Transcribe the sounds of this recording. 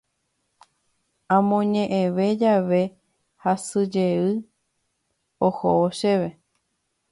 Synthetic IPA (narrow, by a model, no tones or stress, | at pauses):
ãmõɲẽʔẽʋe̞d͡ʒaʋe̞ | hasɨd͡ʒeɨ | ohooʃeʋe̞